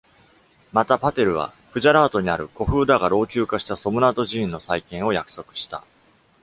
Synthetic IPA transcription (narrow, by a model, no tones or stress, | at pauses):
mat̪apat̪e̞ɾɯ̟β̞a̰ | ɸɯ̟ʑaɾaːt̪o̞ɲ̟iaɾɯ̟ko̞ɸɯ̟ːd̪aɡaɾo̞ːkʲɨːkaɕi̥t̪aso̞mɯ̟nat̪o̞ʑĩːnːo̞saikẽ̞ɰ̃o̞jakɯ̟̥so̞kɯ̟̥ɕi̥t̪a̰